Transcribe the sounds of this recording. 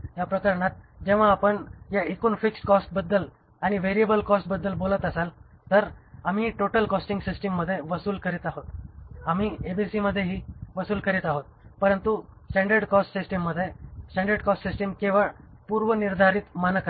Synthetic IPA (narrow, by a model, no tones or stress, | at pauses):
japɾəkaɾɳat̪̚d͡ʑẽʋ̤aːpəɳjaekuːnfikskɔsʈ̚bəd̪ːəl | añiʋeɾijəbəlkɔsʈ̚bəd̪ːəlbolət̪əsal | t̪əɾam̤iːʈoʈəlkɔsʈĩŋɡsisʈəmːəd̪ʱːjeʋəsuːlkəɾit̪aɦot̪am̤iːebisiməd̪ʱːjeɦiːʋəsuːlkəɾiːt̪aɦot̪̚pəɾənt̪usʈãɳɖəɾɖkɔsʈsisʈəmːəd̪ʱːjesʈãɳɖəɾɖkɔsʈsisʈəmkeʋəɭpuɾʋəniɾd̪ʱaɾiːt̪manəka